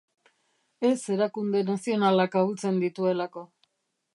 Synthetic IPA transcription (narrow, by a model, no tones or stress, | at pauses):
e̞se̞ɾakund̪e̞nasio̞nalakault͡se̞nd̪it̪ue̞lako̞